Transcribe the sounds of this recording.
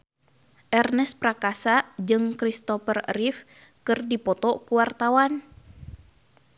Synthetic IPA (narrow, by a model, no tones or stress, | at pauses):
ʔɛrnɛspɾakasad͡ʒɨŋkɾist̪ɔfərrif | kɨrdipɔt̪ɔkuwart̪awan